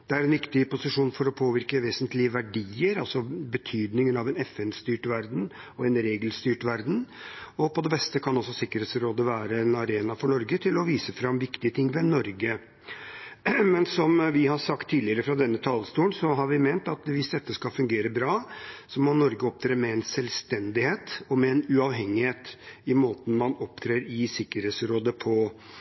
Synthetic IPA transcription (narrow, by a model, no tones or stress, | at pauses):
d̪̥ɛæɾɛnʋɪkt̪ɪpʊsɪʂuːnfɔɾɔpʰoːʋɪɾkəʋeːsənt̪lɪəʋæɖiːəɾɑlsɔbət̪ʰyːd̪nɪŋənɑʋɛnɛfɛnst̪yːʈʋæɾd̪n̩ɔɛnɾeːɡəlst̪yːʈʋæɾd̪n̩ɔpɔd̪ɛbɛst̪əkʰɑnɔsɔsɪkːəɾheːt̪sɾoːd̪əʋæːɾəɛnɑɾeːnɑfɔɳɔɾɡət̪ʰɪlɔʋiːsəfɾɑmːʋɪkt̪ɪət̪ʰɪŋːʋɛnɔɾɡə | mɛnsɔmʋɪhɑɾsɑkt̪ʰːiːlɪəɾəfɾɑd̪ɛnːət̪ʰɑlst̪uːənsɔɦɑɾʋɪmɛnt̪ɑt̪ʋɪsd̪ɛt̪ːəskɑfʉŋɡeːɾəbɾɑːsɔmɔnɔɾɡəɔp̚t̪ʰɾeːɾmɛɛnsɛlst̪ɛnd̪ɪheːt̪ɔmɛɛnʉɑʋɦɛŋːɪheːt̪ɪmoːt̪n̩mɑnɔp̚t̪ʰɾeːɾɪsɪkːəɾheːt̪sɾoːd̪əpʰɔ